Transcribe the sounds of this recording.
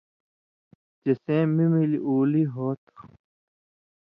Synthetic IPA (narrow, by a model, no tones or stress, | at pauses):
d͡ʑɐsẽːmimiliʔuːliɦoːt̪ʰu